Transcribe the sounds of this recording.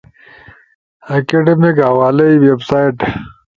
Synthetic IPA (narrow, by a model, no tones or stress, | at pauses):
ɐkeɖemikhɐwaːlɐiwebsaːjʈ